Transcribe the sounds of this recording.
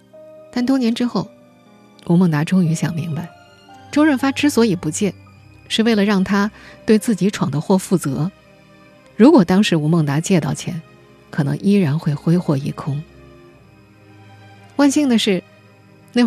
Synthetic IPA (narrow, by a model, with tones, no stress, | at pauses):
t̪a˥˩nt̪wɔ˥njɛ˧˥nʈ͡ʂɻ̩˥xo˥˩ʊ | u˧˥mɤ˥˩ŋt̪a˧˥ʈ͡ʂʊ˥ŋy˧˥ɕjɑ˨˩ŋmi˧˥ŋba˧ɪ | ʈ͡ʂo˥ʊɻə˥˩nfa˥ʈ͡ʂɻ̩˥swɔ˧˥i˨˩pu˧˥t͡ɕjɛ˥˩ | ʂɻ̩˥˧we˥˩ɪlə˩ɻɑ˥˩ŋt̪ʰa˥t̪we˥˧ɪt͡sɹ̩˥˩t͡ɕi˧˥ʈ͡ʂʰwɑ˨˩ŋd̪ə˦xwɔ˥˧fu˥˩t͡sɤ̰˧˥ | ɻu˧˥kwɔ˨˩t̪ɑ˥ŋʂɻ̩˧˥u˧˥mɤ˥˩ŋt̪a˧˥t͡ɕjɛ˥˧t̪ɑ˥˩ʊt͡ɕʰjɛ̰˧˥n | kʰɤ˨˩nɤ̰˧˥ŋʔi˥ɻa˧˥nxwe˥˧ɪxwe˥ɪxwɔ˥˩i˥˩kʰʊ˥ŋ | wa˥˧nɕi˥˩ŋd̪ə˩ʂɻ̩˥˩˧ | na˥˧